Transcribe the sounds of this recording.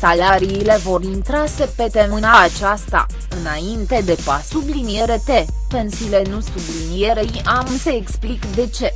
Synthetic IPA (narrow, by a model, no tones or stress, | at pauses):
salaɾiːle̞vo̞rint̪ɾase̞pe̞t̪e̞mɨnaːt͡ʃast̪a̰ | ɨnaint̪e̞d̪e̞pasublinije̞ɾe̞t̪e̞ | pe̞nsile̞nusublinije̞ɾejʔamse̞ːksplikd̪e̞t͡ʃe̞